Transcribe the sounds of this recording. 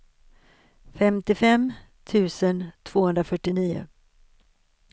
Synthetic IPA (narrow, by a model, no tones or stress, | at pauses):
fɛmt̪ɪfɛm | t̪ʰʉ̟ːsənt̪ʰv̥oːhɵnɾafœʈːɪniːʊ̰